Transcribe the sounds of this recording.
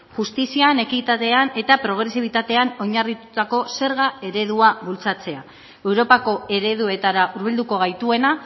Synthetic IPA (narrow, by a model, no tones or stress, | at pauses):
ʝust̪isiane̞kit̪at̪e̞ane̞t̪apɾo̞ɣ̞ɾe̞siβ̞it̪at̪e̞ano̞ɲarit̪ut̪ako̞se̞ɾɣae̞ɾe̞ð̞uaβult͡sat͡se̞a | e̞wɾo̞pako̞e̞ɾe̞ð̞ue̞t̪aɾaʔuɾβ̞ild̪uko̞ɣ̞ajt̪ue̞na